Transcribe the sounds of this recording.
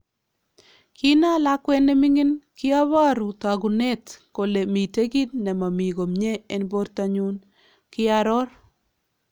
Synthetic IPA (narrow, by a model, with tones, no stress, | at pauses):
kʰi˦na˦la˦kwɛ˦ne˦mi˦ŋɪ˦nkɪ˦a˦βa˦ɾu˨ta˨ɡu˨ne˦tko˨le˨mi˨te˦ɡi˦tnɛ˨ma˨mi˨ɡo˨mɲe˦e˨nbo˦ɾta˨ɲu˦n | kɪ˦a˦ɾɔ˦r